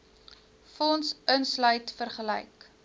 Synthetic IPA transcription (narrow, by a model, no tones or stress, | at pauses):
fɔnsənslœɥtfərχəlɛ̰jk